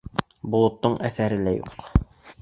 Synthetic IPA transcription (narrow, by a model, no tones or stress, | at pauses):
bŏlˠŏt̪ːɤɴʔæθæɾɘlæjṵq